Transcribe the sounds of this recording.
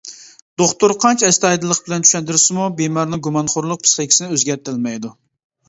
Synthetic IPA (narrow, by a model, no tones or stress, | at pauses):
d̪̥oχt̪uɾqʰɑnt͡ʃʰɛst̪ɛɑjd̪ɨlˠːəqbɪlɛnt͡ʃʰyʃɛnt̪yɾɪsɪmubemɑɾnɪŋɡumɑnχoɾlˠʊq̚pʰi̥st̪ɛkʲi̥sɪnɪøzɡʲɛɾt̪ɪlmɛjd̪u